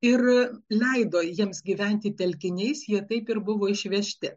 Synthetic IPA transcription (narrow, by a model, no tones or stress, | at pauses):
ɪrlʲɛɪd̪oːjiɛmsɡʲiːʋʲɛnʲt̪ʲɪt̪ʲɛlʲkʲɪnʲɛɪsjiɛt̪ɐɪpɪɾbʊʋoːɪʃʲʋʲɛʃʲt̪ʲɪ